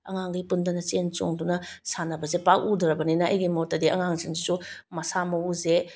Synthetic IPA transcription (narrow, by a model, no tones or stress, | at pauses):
ɐ̰ŋaŋɡipundɐnɐt͡ʃent͡ʃo̰ŋdunɐsanɐbɐzepak̚udɾɐbɐninɐɐ̰jɡimotɐdiʔɐ̰ŋaŋseŋsisumɐsamɐuze